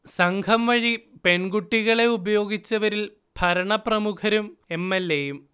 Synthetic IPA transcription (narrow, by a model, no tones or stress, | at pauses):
sɐŋɡʱɐmʋɐɻipe̞ɳɡuʈːiɣɐɭe̞ubɐjo̞ːɡit͡ɕːɐʋɐɾil | b̥ʱɐɾɐɳɐprɐmukʰɐɾume̞mːelːejum